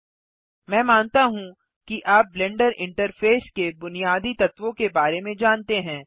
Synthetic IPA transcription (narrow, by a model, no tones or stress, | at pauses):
mɛ̃ːmaːnt̪aɦũ | kiʔaːp̚blɛ̃ːɳɖəɾɪ̃ɳʈəɾfʰeːskebʊnijaːd̪it̪ɐt̪ʋõkebaːɾemẽd͡ʒaːnt̪eɦɛ̃ː